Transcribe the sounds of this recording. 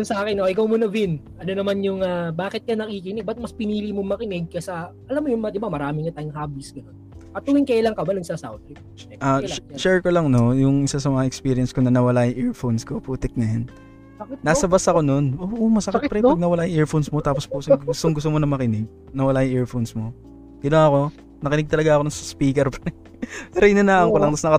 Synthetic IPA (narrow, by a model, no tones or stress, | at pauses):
ʊnsɐʔaːkɪnoʔɪkɐwmonɐvɪnʔɐnonɐmanjʊŋaːbaːkɪt̪̚kɐnɐkikɪnɪɡ̚bɐt̪̚mɐspɪniːlimomɐkɪnɪɡ̚kɐsɐʔɐlamːojʊŋmɐd̪ɪbamɐɾaːmɪŋɐt̪aːjʊŋhaːbisɡɐnonɐt̪uːɪŋkɐɪlɐŋkɐbanʊŋsɐsa̰wt̪ɾɪp | ɛʔaʃɛɹkolɐŋno̞jʊŋʔɪsasɐmɐŋaʔɛkspiɾɪɐnsko̞nɐnɐwɐlaːjŋʔɛɹfonskopuːt̪ɪk̚nɐjanː | aːsɐbɐsɐko̞no̞nʔoːʔomɐsɐkɐt̪pɐɾɛpɐɡ̚nɐwɐlaːjɪŋʔɛɹfonsmo̞t̪aːpospusɐɡɡʊst̪oŋɡʊst̪omonɐmɐkɪnɪɡ̚ | nɐwɐlaːjʊŋʔɛɹfonsmo̞ | ɡ̥ɐnoŋɐko̞ | nɐkɪnɪɡ̚t̪ɐlɐɡaʔɐkonʊŋsɐspiːkɛɾpɐɾɛ | t̪ɾɛjnɐnaʔɐŋkolɐŋt̪ɐsnɐkɐ